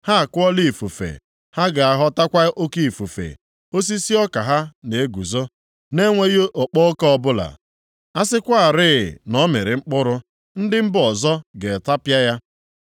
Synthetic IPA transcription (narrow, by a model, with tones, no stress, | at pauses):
ha˦a˨kʊ˦ɔ˦li˦˨fu˨fḛ˨ | ha˦ɡa˨a˨ɦɔ˦ta˦kʷa˦ʔo˦ki˦i˨fu˨fḛ˨ | o˦s̬i˦si˦ɔ˦ka˨ɦa˦ne˨e˦ɡu˨zo˦ | ne˦ŋʷe˦ɣi˦ʔɔ˨k͡pɔ˦kɔ˦ɔ˦bʊ˦la̰˨ | a˦sɪ˦kʷa˦a˨ɾɪ˦˨nɔ˦me˨ɾɪ˨ŋ͡m̩˦k͡pʊ˦ɾʊ˦ | n̩˦dɪ˦m̩˦bɔ˨zɔ˦ɡe˨ta˦pja˦ja˦